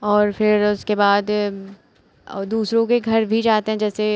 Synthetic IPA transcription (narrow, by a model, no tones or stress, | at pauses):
ɔːɾfɪɾʊskebaːd̪ | d̪uːsɾõkeɡʱɐɾbʱid͡ʒaːt̪eɦɛ̃d͡ʒɛːse